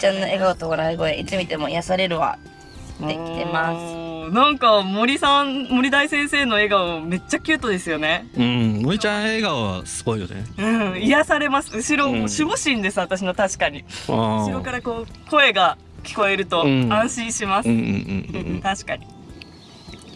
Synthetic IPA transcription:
t͡ɕãnːoe̞ɡaot̪oɡoɾaiɡo̞eʔit͡sɨmʲit̪e̞mo̞ijasaɾe̞ɾɯ̟βa̰ | ekʲit̪emasɨ̥nãŋkamo̞ɾʲisãnmo̞ɾʲid̪aisẽ̞ɰ̃se̞ːno̞e̞ɡaome̞t͡ɕːakʲɯ̟ːt̪o̞d̪e̞sɨjo̞ne̞ɯ̟̃moɾʲit͡ɕãeɡaoβa̰sɨ̥ɡo̞ijo̰nḛɯ̟̃ijasaɾe̞masɨ̥ɯ̟ɕiɾo̞oɕiɡoɕĩnd̪e̞sɨβat̪aɕ̬inot̪aɕi̥kaɲ̟iɯɕiɾo̞kaɾako̞ːko̞e̞ɡa | kʲi̥ko̞e̞ɾɯ̟t̪o̞ãɰ̃ɕĩɰ̃ɕimasɨ̰̃t̪aɕi̥kaɲ̟i

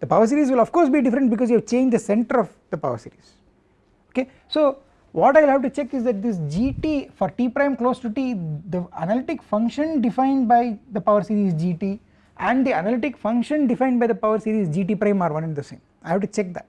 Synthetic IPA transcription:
d̪̥əpaʊəɾs̬iːɾiːzʋɪlɔfkoːɾsbiːɖɪfəɾə̃ɳʈ̚bɪkɔːzjuɛʋt͡ʃẽːnd͡ʒd̪əsɛ̃ɳʈəɾɔʋd̪̥əpaʊəɾsḭːɾiz̥ | oke | soː | ʋɔːʈaɪʋɪlhæʋʈut͡ʃɛkːɪzd̪æʈ̚d̪ɪs̬d͡ʒiːʈiːfɔɾʈiːpɾãɪ̃mkloːsʈuʈiːd̪əənəlɪʈɪkfʌ̃ŋkʃə̃nɖɪfãɪ̃nɖ̚baɪd̪əpaʊəɾsiːɾiːzd͡ʒiːʈi | ʔæ̃ɳɖd̪iɐnalɪʈɪkfʌ̃ŋkʃə̃nɖɪfãɪ̃ɳɖ̚baɪd̪əpaʊəɾsiːɾiːzd͡ʒiːʈiːpɾãɪ̃maːɾʋʌ̃nɛ̃nd̪əsḛ̃ːmaɪhæʋʈut͡ʃɛk̚d̪æ̰ʈ̚

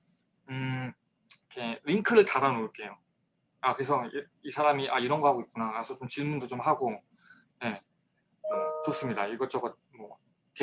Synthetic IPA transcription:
ɯ | kʰe̞ɾiŋkʰɯɾɯɭtaɾanoɭk͈e̞jo | akɯɾe̞sʰʌi | isʰaɾamiʔaiɾʌnɡʌɦaɡoik͈̚unanasʰʌt͡ɕomt͡ɕiɭmundot͡ɕomhaɡo | je̞ | ʌt͡ɕʌs͈ɯmɲidaiɡʌt͡ɕ͈ʌɡʌ | mwʌ | ke

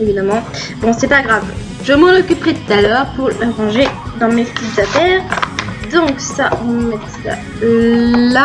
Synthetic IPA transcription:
evid̪amɑ̃ | bɔ̃sɛpaɡʁav | ʒəmɑ̃nɔkʲypχɛt̪u̥t̪alœːʁpuʁləʁɑ̃ʒed̪ɑ̃mefizat̪ɛːʁd̪ɔ̃ksaʔɔɑ̃nɛt̪a̰ | la

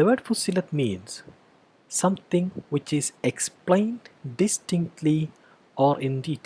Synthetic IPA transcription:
d̪əʋəɖfusilət̪mĩːnsː | ʌ̃mt̪ɪ̃ŋwɪt͡ʃɪzeksplẽɪ̃nɖɖɪsʈɪ̃ŋk̚ʈʰli | ɔːɾʔɪ̃nd̪iʈ

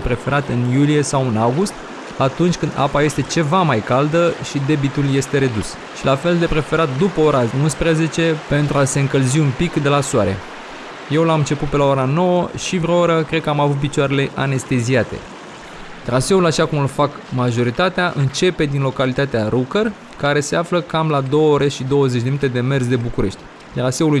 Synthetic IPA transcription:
pɾe̞fe̞ɾat̪ɨnjulije̞sawɨnawɡust̪ | at̪unt͡ʃʲkɨnd̪a̰paje̞st̪e̞t͡ʃe̞vamajkald̪əʃid̪e̞bit̪ulje̞st̪e̞ɾe̞d̪us | ʃilafe̞ld̪e̞pɾe̞fe̞ɾat̪̚d̪upəo̞ɾaunspɾeze̞t͡ʃe̞pe̞nt̪ɾuase̞ɨŋkəlziunpikd̪e̞lasoaɾe̞̰ | je̞wlamɨnt͡ʃe̞put̪̚pe̞laoɾano̞wəʃivɾooɾəkɾe̞d̪̚kəamavut̪̚pit͡ʃoaɾele̞ʔa̰ne̞st̪e̞ziat̪e̞̰ | t̪ɾase̞ulaʃakumulfak | maʒo̞ɾit̪at̪eaʔɨnt͡ʃe̞pe̞d̪inlo̞kalit̪at̪eaɾukər | kaɾe̞se̞afləkamlad̪o̞wəoɾe̞ʃid̪o̞wəze̞t͡ʃʲd̪eminit̪ed̪e̞me̞rsd̪e̞bukuɾe̞ʃt̪ʲ | t̪ɾase̞uluj

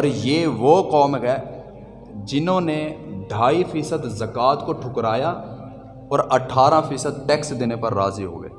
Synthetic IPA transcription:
ɔːɾjeːʋoːkɔːmɡɛː | d͡ʒɪnõːneɖʱaːifiːsəd̪zɐkaːt̪koʈʰʊkɾaːja | ɔːɾɐʈʰːaːɾãfʰiːsəd̪̚ʈɛːksd̪ɪnepɐɾːaːziɦo̰ːɡḛː

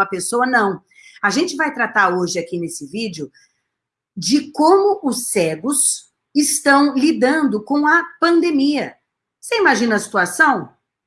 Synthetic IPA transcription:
ɐpesowɐnɐ̃w̃ | aʒẽnt͡ʃɪvajt̪ɾat̪aɾoʒɪakinesɪvid͡ʒɪʊ | d͡ʒɪkõmʊʔʊsɛɡʊs | ɪst̪ɐ̃w̃lid̪ɐ̃nd̪ʊkõw̃ɐpɐ̃nd̪emiɐ | seimaʒĩnɐsi̥t̪uasɐ̃w̃

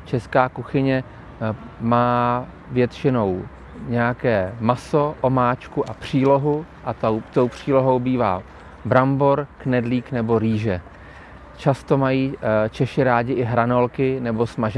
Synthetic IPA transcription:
t͡ʃɛskaːkuxɪɲɛ | maː | vjɛt̪t͡ʃɪno̞w | ɲɛjakɛːmaso̞ʔomaːt͡ʃkuʔapr̝̥iːlo̞ɦu | ʔat̪owt̪o̞wpr̝̥iːlo̞ɦo̞wbiːva̰ː | bɾamboɾknɛdliːknɛbo̞ɾiːʒɛ | t͡ʃast̪o̞majiːt͡ʃɛʃɪɾaːɟɪʔɪɦɾano̞lkɪnɛbo̞smaʒ

